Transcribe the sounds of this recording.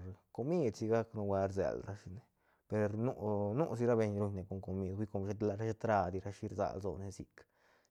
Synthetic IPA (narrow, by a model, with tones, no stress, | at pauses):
ɾko˧mi˦d̪si˧ɡa˦knu˧wa˧ɾzḛ˨lɾa˦ʃi˧ne˧ | pe˧ɾnu˦˧nu˦ʔs̬i˧ɾa˦be˧ɲɾu˧ɲne˨ko˧˨ŋko˨mi˧d̪wʷi˦ko˧mʃe˧˦t̪la˧ɾa˦ʃe˦t̪ɾa˧d̪i˧ɾa˦ʃi˦ɾza̰˨lzo̰˧ne˧si˧k